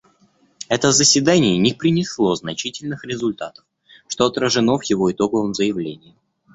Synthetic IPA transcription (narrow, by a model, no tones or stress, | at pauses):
ɛt̪əzəsʲvʲɪd̪anʲɪjənʲɪpɾʲɪnʲɪslˠo̞znɐt͡ɕitʲɪlʲnɨxɾʲɪzʊlʲt̪at̪ə̥f | ʂt̪oɐt̪ɾəʐɨno̞vjɪvo̞ɪt̪o̞ɡəvəmzəjɪvlʲenʲɪjɪ